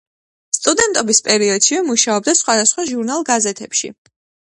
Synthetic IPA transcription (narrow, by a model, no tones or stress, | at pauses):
st̪ʼud̪ɛnt̪ʼɔbispʼɛɾiɔd̪̥ʃivɛmuʃaɔb̚d̪asχwad̪asχwaʒuɾnalˠɡazɛt̪ʰɛpʃḭ